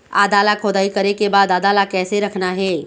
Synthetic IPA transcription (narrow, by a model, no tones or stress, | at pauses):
a̰ːd̪aːlakʰoːd̪aːikɐɾekebaːd̪aːd̪aːlakɛːseɾɐkʰnaɦɛː